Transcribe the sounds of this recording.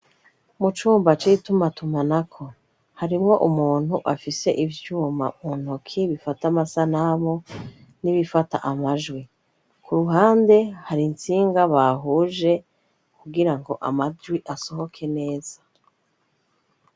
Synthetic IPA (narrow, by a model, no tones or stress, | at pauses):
mut͡ʃuːmbat͡ʃiitumatumanakʰo̞ | haɾimŋo̞ʔumuːn̥huʔafise̞ʔivjuːma̰uun̥okʰiβifatamasanamo | niβifata̰ʔamaʒɡwi | kʰuɾuɦaːnde̞haɾint͡siːŋɡaβaɦuːʒe̞ | kuɡiɾaŋɡo̞ʔa̰maʒwiʔaso̞ɦo̞kʰe̞ne̞ːz̥a